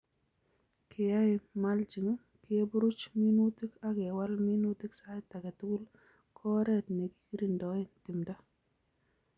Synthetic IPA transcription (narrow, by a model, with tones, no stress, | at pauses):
kʰɪ˨ja˦ɪmald͡ʒi˨ŋ˦ | kɪe˦bu˦ɾu˦t͡ʃmi˦nu˦ti˦ka˦kɛ˨wa˦lmi˦nu˦ti˦ksa˦ɪta˨kɛ˨tu˦ku˦l | kʰɔ˦ɾɛtnɛ˨ki̥ki˦ɾi˨ndɔ˨ɪntɪ˨mda˦